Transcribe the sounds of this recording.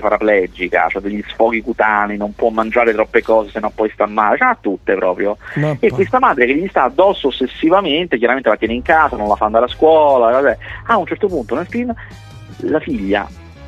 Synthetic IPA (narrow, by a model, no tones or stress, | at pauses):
paɾaplɛd͡ʒika̰t͡ʃoɛd̪eʎːisfɔːɡikut̪aːninompwɔmːand͡ʒaːɾet̪ɾɔpːekɔːzesenːompɔjst̪amːaːlet͡ʃɛat̪ːut̪ːepɾɔːpɾjoekːwest̪amaːd̪ɾekeʎːist̪aːd̪ːɔsːoosːesːivament̪ek̬jaɾament̪elat̪jɛːneiŋkaːzanonlafaand̪aːɾeaskwɔːlalakɔzɛaunt͡ʃɛrt̪opunt̪onelfin | lafiʎːa̰